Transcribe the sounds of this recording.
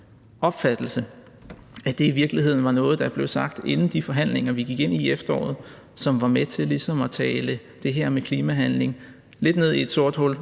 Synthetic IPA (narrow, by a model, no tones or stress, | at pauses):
ʔɒ̽b̥fæd̥l̩sə | æd̥e̝iʋiɐɡ̥liɦe̝ð̞̰ˠn̩ʋɑ̈nɔ̽ːð̞̩ˠd̥ɑb̥le̝ʊsɑ̈ɡ̥d̥e̝nn̩d̥ifɒ̽ɦæn̰le̝ŋɐʋiɡ̥iɡ̥e̝n̰iefd̥ɐɒ̰ːð̞̩ˠ | sɒ̽mʋɑ̈met͡sʰe̝lisɒ̽mɒ̽t͡sʰɛːlə | d̥e̝ɦeɐ̰mekʰliːmæɦænle̝ŋ | le̝d̥ne̝ð̰ˠie̝d̥so̝ɐ̰d̥hɔ̽l̰